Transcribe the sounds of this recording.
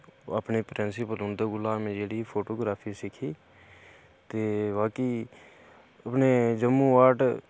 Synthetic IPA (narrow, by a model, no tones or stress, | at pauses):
əpnepɾeːnsɪpəlʊ̃nd̪eɡʊlaːmẽːd͡ʒeːɽiːpʰoːʈoːɡɾaːpʰisɪkʰiː | t̪eːbaːki | əpneːd͡ʒəmːuːaːʈ